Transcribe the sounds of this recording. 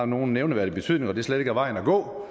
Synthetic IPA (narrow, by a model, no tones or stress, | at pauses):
no̝ːn̩neʊnəʋæɐd̥ib̥e̝t͡sʰy̰ð̰ˠne̝ŋɒ̽d̥e̝sleɾ̥eɡæɐʋɑ̈ɪn̩æɡ̥ɔ̰̽ː